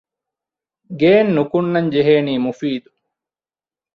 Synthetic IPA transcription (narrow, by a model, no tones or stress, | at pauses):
ɡeːnːukunːɐɲd͡ʒeɦeːniːmufiːd̪u